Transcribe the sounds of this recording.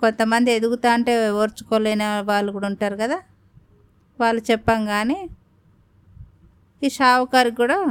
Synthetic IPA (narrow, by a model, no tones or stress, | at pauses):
ko̞nt̪ɐmɐnd̪ied̪uɡut̪aːɐɳʈe̞ːʋoːɾt͡ʃu̥koːleːnɐʋaːɭːuɡuːɽɐuɳʈaːɾukɐd̪aː | ʋaːɭːut͡ʃɛpːɐŋɡaːniː | iːʃaːwɐkaːɾiɡuːɽaː